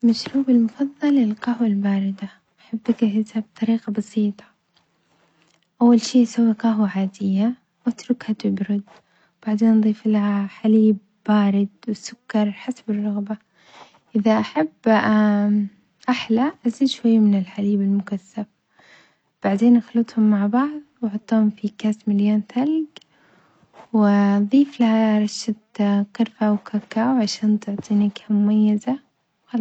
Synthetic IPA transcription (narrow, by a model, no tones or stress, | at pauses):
maʃɾuːbɪlmʊfɑðˤːɑlɪlqɑɦwalbaːɾɪd̪a | ʔaħabːɪkɪhɪt̪ab̚t̪ˤɑɾiːqɑbɑsiːt̪ˤɑ̥ | ʔawːalʃiːʔsawːɪqaɦwʕaːd̪ɪjːa | wat̪ɾʊkhat̪ɪbɾʊd̪ | wb̥aʕd̪eːnʔðˤiːfɪlaħaliːbːaːɾɪd̪wɪsʊkːɑɾˤħasabɪrˤːʊɣba | ʔɪðaʔaħabː | ʔaħlaʔaziːd̪ʃwajːmɪnɪlħaliːbɪlmʊkasːaf | b̥aʕd̪eːnʔaxlɨt̪ˤhʊmːaʕbɑʕðˤwɑʕɑt̪ˤːuːhʊmfikaːsmɪljaːnθalɡ | wɪðˤiːflahaɾˤɑʃːat̪qɪɾfawkakaːwʕaʃaːnt̪ʊʕt̪ˤiːnakamʊmajːaza | wx